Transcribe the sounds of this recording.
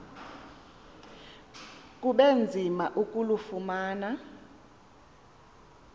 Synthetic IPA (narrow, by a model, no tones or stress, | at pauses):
k̬ʼuɓend͡zʱimaʔukʼulufumaːna